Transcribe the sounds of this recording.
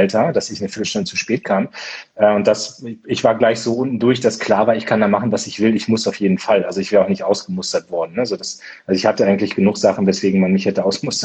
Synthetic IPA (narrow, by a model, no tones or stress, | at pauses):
ltʰɐd̥asɪçnəfɪɐtl̩ʃtʊndət͡su̥ʃpɛːt̚kʰaːmʔɛːʊnt̚d̥asɪçv̥aːɐɡlaɪçz̥oːʔʊntn̩dʊɐçd̥askʰl̥aːɐvaːɐɪçkʰandaːmaχn̩vasɪçv̥ɪlɪçmʊsaʊfjeːdn̩falʔalzoɪçvɛːʁaʊxnɪçtʔaʊsɡ̥əmʊstɐtv̥ɔɐdn̩ːəzoːdas | ʔalzoɪçhatəʔaɪɡŋ̩tlɪçɡ̥ənuːχz̥aχn̩vɛsv̥eːɡŋ̩manmɪçhɛtəʔaʊsmʊstɐ